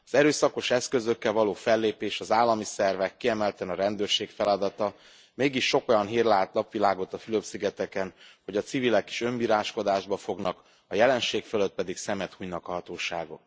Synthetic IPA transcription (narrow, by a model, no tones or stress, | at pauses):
ɒzɛɾøːsɒko̞ʃɛskø̞zø̞kːɛlvɒloːfɛlːeːpeːʃɒzaːlːɒmisɛrvɛkːiɛmɛlt̪ɛnɒɾɛnd̪øːrʃeːkfɛlɒd̪ɒt̪ɒ | meːɡiʃːo̞ko̞jɒnɦiːrlaːt̪nɒpʋilaːɡo̞t̪ɒfyløpsiɡɛt̪ɛkɛnho̞ɟɒt̪sivilɛke̥ːʃø̞mbiːɾaːʃko̞d̪aːʒbɒfo̞ɡnɒk | ɒjɛlɛnʃeːkføløt̪̚pɛd̪iksɛmɛt̪huːjnɒkɒɦɒt̪oːʃa̰ːɡo̞̰k̪